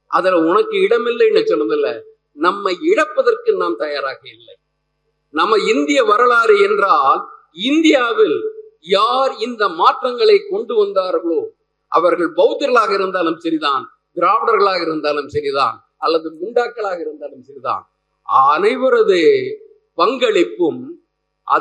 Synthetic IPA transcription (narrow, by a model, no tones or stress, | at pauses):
ʔɐðɐlʊnɐkːɯɪɽɐmɪlːɐɛnːɐt͡ʃɔlːɯðɪlːɐ | nɐmːɐɪɪɽɐpːɐðɐrkɯnaːmt̪ɐjaːɾaːɣɐɪlːɐɪ | nɐmːɐɪnd̪ɪjɐʋɐɾɐɭaːɾɯɛndraːl | ɪnd̪ɪjaːʋɪljaːɾɪnd̪ɐmaːʈrɐŋɡɐɭɐɪkːɔɳɖɯʋɐnd̪aːɾɣɐɭoː | ʔɐ̰ʋɐɾɣɐɭbɐʊt̪ːɯɾɐɭaːɣɐɪɾɯnd̪aːlɯmsɐɾiðaːn | ɡɪɾaːʋɐɽɐɾɣɐɭaːɣɐɪɾɯnd̪aːlɯmsɐɾiða̰ːn | ɐlːɐðɯmʊɳɖaːkːɐɭaːɣɐɪɾɯnd̪aːlɯmsɐɾɪða̰ːnː | nɐɪʋɯɾɐðɯ | pɐŋɡɐɭɪpːɯm | ʔɐ̰